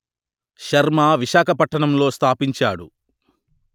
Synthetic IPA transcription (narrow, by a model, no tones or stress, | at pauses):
ʃɐɾmaːʋiʃaːkʰɐpɐʈːɐɳɐmlo̞ːst̪ʰaːpiɲt͡ʃa̰ːɽṵ